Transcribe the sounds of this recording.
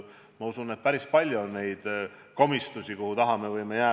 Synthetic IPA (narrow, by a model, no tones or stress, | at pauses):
mɑusunet̪̚pæɾispɑlʲjuonːe̞jd̪̥ko̞mist̪usʲikuhut̪ɑɦɑme̞vɤjme̞jæː